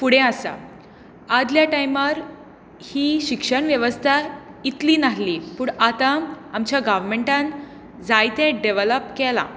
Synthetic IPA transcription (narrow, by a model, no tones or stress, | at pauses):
puɽ̤ẽasa̰ː | d̪ljaʈajməɾ | hiːɕikʂəɳʋjeʋəst̪ʰait̪liːnaɦliːpuːɳat̪aamt͡ɕjaɡaʋmeɳʈãn | d͡zajt̪ɛ̃ɖeʋələpkɛlã̰